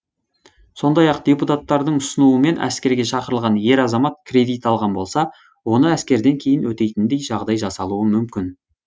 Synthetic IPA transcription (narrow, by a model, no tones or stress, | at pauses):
so̞nd̪ɑjɑq̚d̪̥ʲe̞put̪at̪ːɑɾd̪əɴʊsənuəme̞nʔæ̰skʲe̞ɾɡʲe̞ʃɑqəɾəlˠʁɑnje̞ɾɑzɑmɑt̪̚kʰʲrʲe̞d̪ijt̪ɑlˠʁɑnbo̞lˠsɑ | wo̞nəæskʲe̞ɾd̪e̞ŋkʲʰe̞jɪnwɵt̪e̞jt̪ɪnd̪e̞jʒɑʁd̪ɑjʒɑsɑlˠuəmʏmkʲɪn